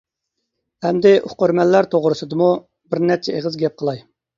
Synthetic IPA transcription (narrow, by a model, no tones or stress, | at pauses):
hɛmd̪ɪʔuχqøɾmɛlːæɾt̪ʰoʁɾɨsɨd̪ɨmu | bɪɾnɛɾt͡ʃʰɛeʁəzɡʲɛp̚qʰəlˠɑj